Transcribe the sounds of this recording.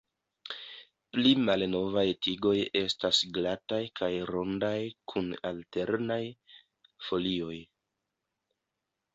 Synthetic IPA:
plimalno̞vajtiɡo̞je̞stasɡlatajkʰajɾo̞ndajkʰuna̰lte̞ɾnaj | fo̞lio̞j

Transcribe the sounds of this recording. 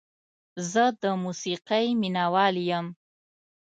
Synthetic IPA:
zəd̪əmusiqajminawɑljəm

